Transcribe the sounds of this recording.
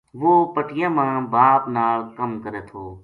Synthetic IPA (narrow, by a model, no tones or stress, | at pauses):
ʋoːpəʈɪjãːmãːbaːpnaːlkəmkəɾeːt̪ʰoː